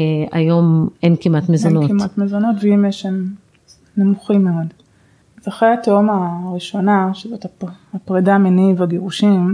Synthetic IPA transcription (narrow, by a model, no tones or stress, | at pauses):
a̰jo̞menkimat̪mezonotimat̪mezono̞tveimjeʃam | nemuχimːeo̞d | azaχʁejat̪omaʁiʃo̞naʃezot̪aapʁedaːmenivaɡeʁuʃim